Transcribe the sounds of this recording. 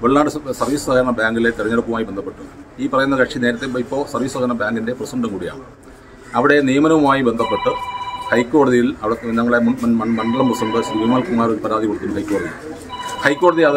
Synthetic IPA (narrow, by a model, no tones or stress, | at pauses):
ʋeɭnaːɽɨsɐrʋiːsusɐhɐɾɐɳɐbaːŋɡile̞t̪iɾɐɲːɐɽɐkːumaːjibend̪ɐpːe̞ʈːɨiːpɐrɐjunːɐkɐkʂine̞ːɾɐt̪ːeipːo̞ːsɐrʋiːsɐdɐnɐbjaːŋɡinde̞prɐsɐɳɖumkuːɽija̰ːɳɨ | ɐʋiɽe̞nijɐmɐnɐʋumaːjibe̞nd̪ʱɐpːe̞ʈːɨhɐjkʲːo̞ːɽɐðijilɐʋiɽeɲɐŋːɐɭemɐmɐɳmɐɳɖɐɭɐmprɐsɐɳɖɨsɾiɡumaːlkumːaːɾoɾupɐɾaːd̪ʱikoɽut̪ːinːhɐjkːo̞ːɽɐðiji | hɐjkːo̞ːɽɐðiɐð